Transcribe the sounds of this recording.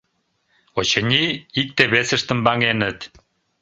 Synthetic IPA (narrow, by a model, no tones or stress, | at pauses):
ot͡ɕənʲiik̚t̪eβesəʃt̪ə̆mbɑŋenət̪